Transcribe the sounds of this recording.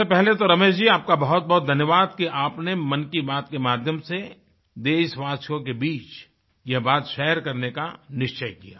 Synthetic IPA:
epɛɦlet̪oɾɐmeːʃd͡ʒiːaːp̚kabɐɦʊt̪̚bɐɦɔt̪̚d̪ʱɐnjəʋaːd̪kiʔaːpnemɐnkibaːt̪kemaːd̪ʱjəmse | d̪eːʃʋaːʃjõkebiːt͡ʃ | jɛɦbaːt̪ʃɛːɾkɐɾneka̰nɪʃt͡ʃəjkija̰ː

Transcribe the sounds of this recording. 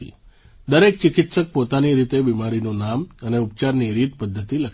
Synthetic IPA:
ḭ | d̪əɾek̚t͡ʃɪkit̪sək̚pot̪aniɾit̪ebimaɾinũnaməneup̚t͡ʃaɾniɾit̪pəd̪ʱːət̪iləkʰ

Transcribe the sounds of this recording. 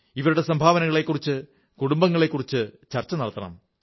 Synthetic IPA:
iʋɐɾuɽe̞sɐmbʱaːʋɐnɐŋːɐɭe̞kːurit͡ɕːɨ | kuɽumbɐŋːɐɭe̞kːurit͡ɕːɨt͡ɕɐrt͡ɕːɐnɐɭɐt̪ːɐɳɐ̰m

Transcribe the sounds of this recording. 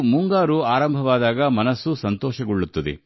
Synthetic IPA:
muŋɡaːɾuaːɾɐmbʱɐʋaːd̪aːɡɐmɐnɐsːusɐnt̪ɔːʃɐɡuɭːut̪ːɐd̪ḛ

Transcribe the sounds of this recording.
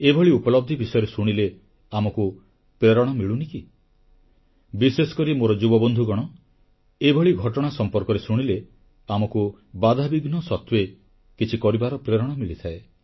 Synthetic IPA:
ebʱɔɭiupɔlɔb̚d̪ʱibisɔjɔɾesuɽ̃ile | amɔku | pɾeɾɔɽ̃ɔmiɭuniki | bisesɔ̥kɔɾimoɾɔd͡ʒubɔbɔnd̪ʱuɡɔɽ̃ɔ | ebʱɔɭiɡʱɔʈɔɽ̃asɔmpɔɾkɔɾesuɽ̃ile | amɔku | bad̪ʱabiɡnɔsɔt̪we | kit͡ʃʰikɔɾibaɾɔpɾeɾɔɽ̃ɔmiɭit̪ʰae

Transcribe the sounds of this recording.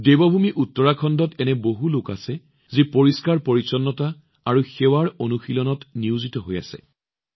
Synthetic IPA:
debɔbʱumiʔutːɔɹakʰɔndɔtɛnɛboɦuloka̰sɛ | zipoɹiskaɹpoɹisɔnːɔta | aɹuxɛwaɹonuxilɔnɔtniuzitɔɦoja̰sɛ̰

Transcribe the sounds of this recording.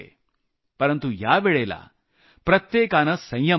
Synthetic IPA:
ḛ | pɐɾɐnt̪ujaːbeɭeːla̰ː | pɾɐt̪jeːkaːnɐsɐjjɐ

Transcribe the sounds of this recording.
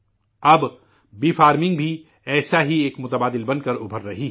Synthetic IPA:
ɐb | biːfaːɾmɪ̃ŋɡbʱi | ɛːsaɦieːkmʊt̪əbaːd̪ɪlbɐnkɐɾʊbʱəɾːɐɦi

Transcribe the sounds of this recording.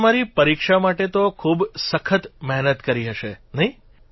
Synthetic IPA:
maɾipəɾikʃamaʈet̪okʰubsəkʰət̪mɛɦnət̪kəɾiɦəʃenəɦĩ

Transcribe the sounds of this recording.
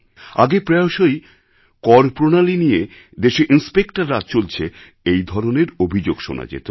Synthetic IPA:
a̰ɡepɾɛoʃoj | kɔɾpɾonalinije | d̪eʃeʔinspekʈaɾːat̪̚t͡ɕolt͡ɕʰe | ejd̪ʱɔɾoneɾobʱid͡ʑoɡʃo̰na̰d͡ʑḛt̪o

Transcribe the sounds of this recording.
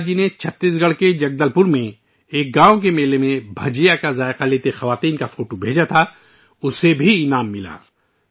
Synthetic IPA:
d͡ʒinet͡ʃʰɐt̪ːiːsɡɐɽked͡ʒɐɡ̚d̪əlpʊɾmẽ | eːk̚ɡãːõk̬emeːlemẽbʱɐd͡ʒijakazaːɪqaleːt̪exɐʋaːt̪iːnkafoːʈobʱeːd͡ʒat̪ʰa | ʊsebʱiɪnaːmːɪla̰ː

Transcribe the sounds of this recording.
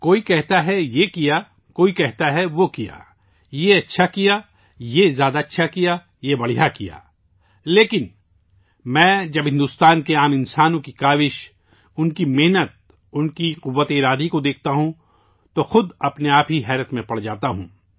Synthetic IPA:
koːikɛɦt̪aɦɛjekija | koːikɛɦt̪aɦɛʋokija̰ː | jeɐtːʃʰakijaː | jezjaːd̪aɐtːʃʰakija | jebɐɽ̤ijakija̰ː | leːkɪn | mɛ̃ːd͡ʒɐbɦɪ̃nd̪ʊst̪aːnkeaːmɪ̃nsaːnõkikaːʋɪʃ | ʊnkimeɦnət̪̚ | ʊnkiqʊʋːət̪eɪɾaːd̪ikod̪eːk̚ʰt̪aɦũ | t̪oxʊd̪ɐpneaːpɦiɦɛːɾət̪mẽpɐɽd͡ʒaːt̪aɦṵ̃ː

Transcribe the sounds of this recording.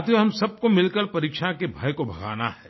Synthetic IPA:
t̪jɦɐmsɐb̚komɪlkəɾpɐɾiːkʃakebʱa̰ːjkobʱɐɡa̰ːna̰ɦɛː

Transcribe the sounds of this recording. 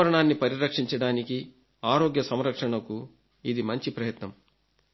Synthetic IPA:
ɾɐɳaːnːipɐɾiɾɐkʂiɲt͡ʃɐɽaːniki | aːɾoːɡjɐsɐmɾɐkʂɐɳɐku | id̪imɐɲt͡ʃipɾɐjɐt̪nɐm

